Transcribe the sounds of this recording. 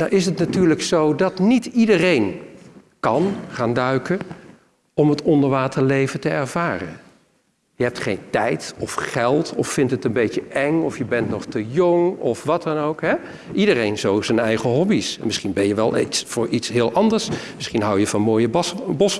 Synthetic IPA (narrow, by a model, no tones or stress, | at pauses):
naʔɪsətnatyːɹləksowdɑtnitidərejn | kɑnχaːndœɥkə | ɔmɦətɔndəɹʋaːtəɹlejvətəɛɹv̥aːrə̰n | jəɦɛp̚tχejntɛjtɔfχɛlˠtɔffɪntətənbejcəʔɛŋɔfjəbɛntnɔχtəjɔŋɔfʋɑtɑnowkɦɛ | ʔidərejnzowsənɛjχəɦɔbismɪsχinbɛjəʋɛlˠʔḛsvʊːɹʔitsɦɪːlˠʔɑndəɹsmɪsχinɦɑwjəv̥ɑnmoːjəbbɔs